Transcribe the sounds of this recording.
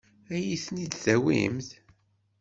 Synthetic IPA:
æjiθnid̪θæwḭmθ

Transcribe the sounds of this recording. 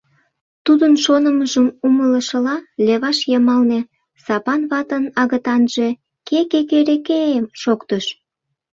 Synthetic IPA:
t̪ud̪ənʃonəməʒəmumələʃəlɑleβɑʃjəmɑlne | sɑpɑnβɑt̪ənɑɣət̪ɑnʒ̥e̽ | kekekeɾekeemʃokt̪əʃ

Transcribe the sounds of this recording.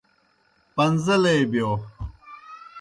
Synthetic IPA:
pɐnzɐleːbjoː

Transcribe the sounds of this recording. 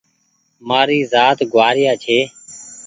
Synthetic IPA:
maːɾiːzaːt̪ɡʱʊʋaːɾɪjaːt͡ʃʰeː

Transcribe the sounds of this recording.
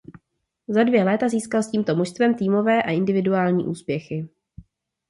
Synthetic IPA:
zadvjɛlɛːt̪aziːskalsciːmt̪o̞moʃst̪vɛmt̪iːmo̞vɛːʔaʔɪndɪvɪduaːlɲḭːʔṵːspjɛxɪ

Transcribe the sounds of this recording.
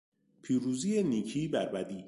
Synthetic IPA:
pʰiːɾuːziːjeniːcʰiːbæɾbæd̪iː

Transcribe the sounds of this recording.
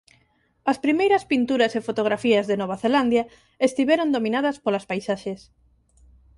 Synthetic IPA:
ɐspɾimejɾɐspint̪uɾɐsefot̪oɣ̞ɾafiɐzðenɔβaθeland̪jɐ | est̪iβɛɾõnd̪omĩnaðɐspolɐspajsaʃes

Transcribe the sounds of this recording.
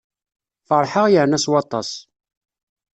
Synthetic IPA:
fəɾˤħəʁjəʕnæswɑt̪ˤːɑ̰s

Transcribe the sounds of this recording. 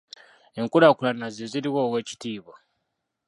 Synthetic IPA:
e̞ŋkuɾakulanazeziɾiwoːwe̞ːci̥tiːβo

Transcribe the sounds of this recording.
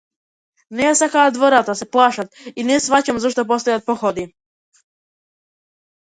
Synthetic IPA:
neasakaad̪voɾat̪aseplˠaːʃat̪inesʋat͡ɕamzoʃt̪op̬ost̪ojat̪̚poxod̪i

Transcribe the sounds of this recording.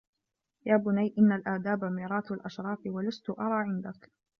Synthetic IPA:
jaːbʊnajʔɪnːalʔaːd̪aːbamiːɾˤɑːt̪alʔaʃɾˤɑːfɪwalast̪ʊʔɑɾˤɑːʕɪnd̪ak

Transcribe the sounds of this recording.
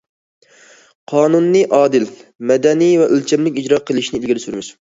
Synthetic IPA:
qʰɑːnunːɨʔɑːd̪ɪlmɛd̪ɛnivɛʔølt͡ʃʰɛmlɪkʲid͡ʒɾɑqʰəlˠɪʃnɪlɡʲɪɾɪsyɾmɪʃ

